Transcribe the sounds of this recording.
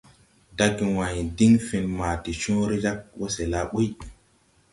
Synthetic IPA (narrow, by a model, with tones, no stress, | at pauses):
da˦ɡi˨wa˨ɲi˨di˦ŋfi˨nma˨ti˨t͡ʃũ˦ɾi˦d͡ʒa˦k̚wo˦se˨la˦ɓu˦j